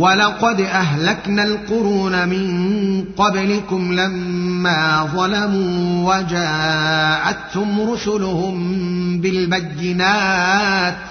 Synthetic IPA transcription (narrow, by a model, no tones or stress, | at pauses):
walɑqɑd̪ʔaɦlaknaːlqʊɾuːnamɪnqɑblɪkʊmlamːaːðˤɑlamuːwad͡ʒaːʔat̪hʊmɾʊsʊlʊhʊmbɪlbajːɪnaːt̪